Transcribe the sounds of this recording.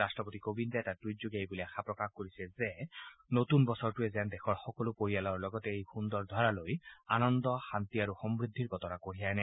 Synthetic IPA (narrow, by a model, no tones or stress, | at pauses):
astɹɔpot̪ikobintaɛtatujzuɡejbuliaxʰapɹɔkaxkoɹisɛzɛnot̪unbɔsɔɹtuɛzandɛxʰɔɹxɔkɔlʊpoɹijalɔɹlɔɡɔtɛejxund̪ɔɹd̪ʱɔɹalojanɔnd̪ɔxant̪iaɹuxɔmbɹid̪ʱːiɹkɔt̪ɔnakoɹijajnɛ